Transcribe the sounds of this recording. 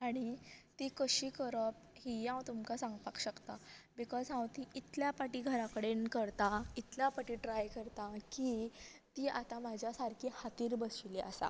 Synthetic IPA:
aɽ̃it̪ikəɕiːkəɾəp | ɦiãwt̪umkasãŋɡpakɕəkt̪abikɔzɦãwt̪iʔit̪ljapaʈiːɡʱəɾakəɽenkəɾt̪ait̪ljapaʈiʈɾajkəɾt̪akit̪iːa̰t̪ãmad͡ʑʱjasaɾkʰiːhat̪iːɾbəsʋilea̰sa̰

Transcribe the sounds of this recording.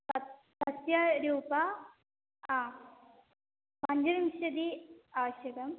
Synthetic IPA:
ɐ | sɐsjɐɾuːpɐ | aː | pɐɲd͡ʑɐɾimɕɐd̪iaːʋɐɕjɐɡɐm

